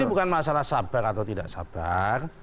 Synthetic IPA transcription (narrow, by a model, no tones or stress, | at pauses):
ibukanmasalahsab̥aɾat̪awt̪idaʔsa̰b̥ar